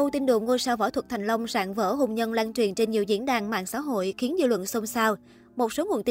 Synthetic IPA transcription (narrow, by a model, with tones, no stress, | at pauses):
ə˧wt̪i˧nɗṵ˧˨ŋo˧jsaː˧wvɔ˧˩t̪ʰə˨˩t̪ʰjŋ̟lə˧wŋ͡mza̰ː˧˨ŋvə̰ː˧˥ɦo˧˩ŋ͡mɲə˧nlaː˧ŋt͡ɕwi˨˩ənt͡ɕe˧nɲi˨˩əwzḭ˧˥ənɗaː˨˩ŋma̰ː˧˨nsa̰ː˧˥ɦo̰˧˨jxi˨˦ənzɨ̰˧lwə̰˧˨nso˧ŋ͡msaː˧w | mo˨˩t̚so˨˦ŋu˨˩ənt̪i˨